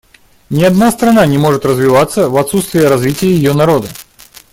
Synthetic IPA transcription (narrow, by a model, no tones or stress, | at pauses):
nʲɪɐd̪nast̪ɾɐnanʲɪmo̞ʐɨt̪rəzvʲɪvat̪sːəvɐt̪sut̪st̪vʲɪjəɾɐzvʲitʲɪjɪjɪjonɐɾo̞d̪ə